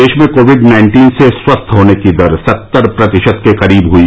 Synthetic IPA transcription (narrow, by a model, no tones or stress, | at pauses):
eːʃmẽkoːʋɪɖnãɪ̃ɳʈiːnseswɐst̪ʰɦoːnekid̪əɾsɐt̪ːəɾpɾɐt̪ɪʃət̪̚keqɐɾiːbɦui